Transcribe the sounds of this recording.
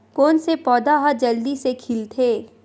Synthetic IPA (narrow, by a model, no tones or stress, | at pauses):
koːnsepɔːd̪aɦad͡ʒɐld̪isekʰɪlt̪ʰeː